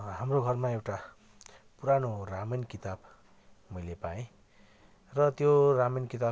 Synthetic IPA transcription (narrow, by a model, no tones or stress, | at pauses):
hamroɡʱʌrmaewʈa | puɾanoramʌnkit̪ab | mʌjlepaẽ | rʌt̪joramʌnkit̪a